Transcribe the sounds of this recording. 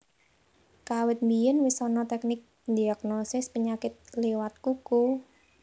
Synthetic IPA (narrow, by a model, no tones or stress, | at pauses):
kawɪt̪̚mbijənwisɔnɔt̪ɛk̚nɪk̚ | d̪iaknosɪspəɲakɪt̪̚lewat̪̚kuku